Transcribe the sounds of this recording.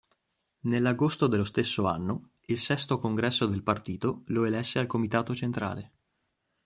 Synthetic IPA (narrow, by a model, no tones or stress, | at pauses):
nelːaɡost̪od̪elːost̪esːoa̰nːo | ilsɛst̪okoŋɡɾɛsːod̪elpart̪iːt̪oloelɛsːealkomit̪aːt̪ot͡ʃent̪ɾa̰ːle